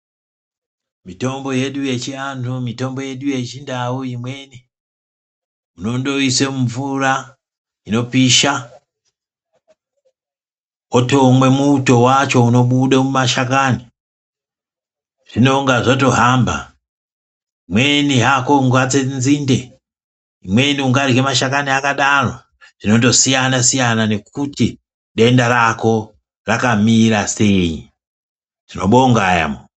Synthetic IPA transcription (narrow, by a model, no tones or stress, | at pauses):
mito̞mbo̞je̞ɗuje̞t͡ʃiantʰumito̞mbo̞je̞ɗuje̞t͡ʃindauimwe̞ni | uno̞ndo̞isemuɱvuɾa | ino̞piʃa | oto̞mwe̞muuto̞wat͡ʃo̞uno̞ɓuɗamumaʃakani | ʐ̥ino̞ŋɡaʐoto̞ɦamba̰ | imweniɦako̞ŋɡat͡senziːnde | imwe̞niuŋɡarwemaʃakaniakaɗaro | ʐ̥ino̞to̞sijanasijanane̞k̚uti | ɗe̞ndaɾako̞ | rakamiɾase̞i | ʐino̞ɓoŋɡaja̰mo